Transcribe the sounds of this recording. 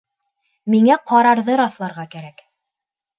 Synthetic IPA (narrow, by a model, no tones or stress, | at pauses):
miŋæqɑɾɑɾðɤɾɑθlˠɑɾʁɑkæɾæk